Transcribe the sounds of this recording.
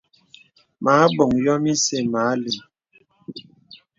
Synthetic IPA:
ma˨˦bɔ˨ŋjɔ˦mi˦se˦˨maː˨˦li˨m

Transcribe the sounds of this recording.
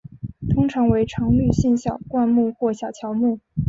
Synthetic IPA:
t̪ʰʊ˥ŋʈ͡ʂʰɑ˧˥ŋwe˧˥ɪʈ͡ʂʰɑ˧˥ŋly˥˧ɕi˥˧nɕjɑ˥˨˩ʊkwa˥˧nmu˥˧xwɔ˥˩ɕjɑ˨˩t͡ɕʰjɑ˧˥ʊmu˥˩

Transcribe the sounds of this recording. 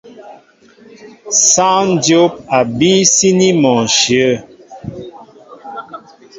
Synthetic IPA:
sã˦n˦djo˦p̚a˨bi˦si˦ni˦mɔ˨nʃjə˦˨

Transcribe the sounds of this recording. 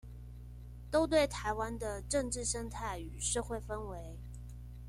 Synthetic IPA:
t̪o˥ʊt̪̬we˥˩ɪt̪ʰa˧˥ɪwa˥nd̪ə˨ʈ͡ʂɤ˥˧ŋʈ͡ʂɻ̩˥˩ʂə˥ŋt̪ʰa˥˩ɪy˨˩ʂɤ˥˧xwe˥˩ɪfə˥nwe˧˥ɪ

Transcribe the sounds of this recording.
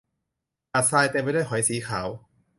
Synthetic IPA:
ʔa˨˩t̪̚saː˧jt̪e˧mpa˧da˥˩jkɔ˨˩˦jsiː˨˩˦kʰaː˩˦w

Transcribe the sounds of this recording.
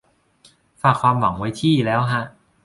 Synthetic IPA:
faː˨˩kʰwaː˧mwa˩˦ŋwa˦˥jt̪ʰiː˥˩˨lɛː˦˥wkʰa˦˥ʔ

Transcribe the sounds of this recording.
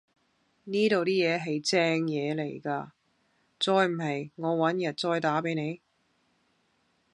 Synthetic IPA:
niː˥t̪o˨wt̪iː˥jɛː˨˧ɦɐ˨jt͡sɛː˥ŋjɛː˨˧le˨˩jkaː˧ | t͡sɔː˧jm̩˨˩ɦɐ˨jŋɔː˨˧wɐ˨˥njɐ˨˩t̚t͡sɔː˧jt̪aː˨˥pe˨˥jne˨˧j

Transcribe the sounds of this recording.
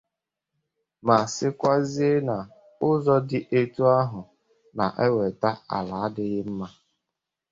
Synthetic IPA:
ma˨sɪ˦kʷa˦zi˦e˦na˨ | ʊ˦zɔ˦dɪ˦ʔe˦tu˦a˦ɦʊ˨ | na˨ʔe˦we˨ta˦a̰˨la˨˦dɪ˦ɣɪ˦m̩˦ma˦

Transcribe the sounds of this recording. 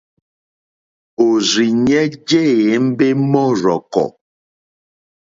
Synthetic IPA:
o˨ɾi˨ɲɛ˦d͡ʒe˦e˨˦m̩˦be˦mɔ˦ɾɔ˨kɔ̰˨

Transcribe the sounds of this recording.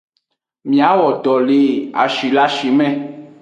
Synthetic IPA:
mĩ˨a˨˦wɔ˨ɖ̪ɔ˨le˨a̰˨ʃi˨la˦ʃi˨mɛ̃˦

